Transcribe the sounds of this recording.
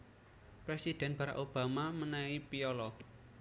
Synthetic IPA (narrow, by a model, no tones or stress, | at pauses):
pɾesid̪̥ɛ̤nb̥a̤ɾa̰kob̥a̤mamənaipiɔlɔ